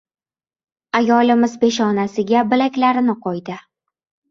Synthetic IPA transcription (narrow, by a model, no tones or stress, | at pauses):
ajɒlɪmɪzbe̞ʃɒnasɪɡʲabɪlakʲlaɾɪnɪqʰɒjd̪ɪ